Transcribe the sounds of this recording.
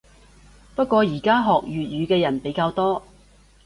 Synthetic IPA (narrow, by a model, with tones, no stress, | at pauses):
pɐ˥t̚kʷːɔː˧jiː˨˩kaː˥ɦɔː˨k̚jyː˨t̚jyː˨˧kɛː˧jɐ˨˩npe˨˥jkaː˧wt̪ɔː˥